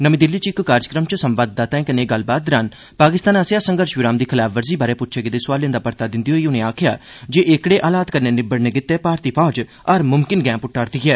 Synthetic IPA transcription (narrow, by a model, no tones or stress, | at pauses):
nəmĩːd̪ɪlːiːt͡ʃɪkːaːɾd͡ʒəkɾəmt͡ʃsəmʋaːd̪̚ːaːt̪ɛ̃ːkəneːɡəlbaːd̪ɾaːn | paːkɪst̪aːnasejaːsəŋɡəɾʃʋɪɾaːmd̪iːkʰɪlaːpʰʋəɾziːbaːɾeːpʊtːt͡ʃʰeːɡɪd̪eːsʊʋaːljẽnd̪aːpəɾt̪aːd̪ɪnd̪iːɦoːiːʊnẽːaːkʰjaː | d͡ʒeːʔɪkɽeːʔaːlaːt̪kəɾneːnɪbəɽneːɡɪt̪ːeːpaːɾt̪iːpʰɔːd͡ʒ | əɾmʊmkɪnɡɛ̃ːpʊʈːaːɾt̪iːɦɛː